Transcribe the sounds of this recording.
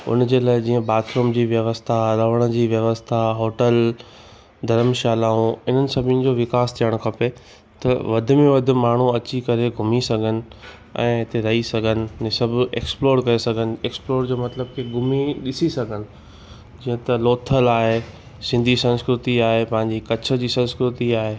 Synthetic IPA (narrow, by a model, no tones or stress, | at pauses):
ʊ̰nd͡ʑeːlaːɪd͡ʑĩːə̃ɓaːt̪ʰɾoːmd͡ʑiːʋjɐʋəst̪ʰaɾɐʋəɽ̃ə̆d͡ʑiːʋjɐʋəst̪ʰaɦoːʈəl | d̪ʱɐɾəmʃaːlaːũɪn̤ənɪ̆sɐbʱɪnɪ̆d͡ʑoːʋɪkaːst̪ʰijəɽ̃ʊkʰɐpe | t̪ɐʋɐd̪ʱʊ̆mẽʋɐd̪ʱɪ̆maːɳ̤uɐt͡ɕikɐɾeɡʱʊmisɐɡʱənɪ̆ | ɛ̰̃ːɪt̪eɾɐɦisɐɡʱənɪ̆sɐbʱḛːksploːɾkɐesɐɡʱənɪ̆eːksploːɾd͡ʑoːmɐt̪ləb̚kʰeɡʱʊmiɗɪsisɐɡʱənɪ̆ | d͡ʑĩːə̃t̪ɐloːt̪ʰəlaːɦe | sɪ̃nd̪ʱisɐ̃nskɾɪt̪iaːɦepɐ̃ɦɪ̃ɲd͡ʑikɐt͡ɕʰə̆d͡ʑiːsɐ̃nskɾɪt̪iaːɦe